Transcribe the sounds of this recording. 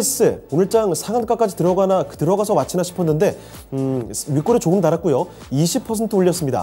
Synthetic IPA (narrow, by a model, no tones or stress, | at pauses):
es͈ɯonɯɭt͡ɕ͈aŋsʰaŋank͈ak͈ad͡ʑitɯɾʌɡanaktɯɾʌɡasʰʌmat͡ɕʰinaɕʰi̥pʰʌnːɯnde̞ | ɥik͈oɾɯt͡ɕoɯmtaɾak̚k͈ujo | iɕʰipʰʌsʰe̞ntʰɯuʎːʌs͈ɯmɲida̰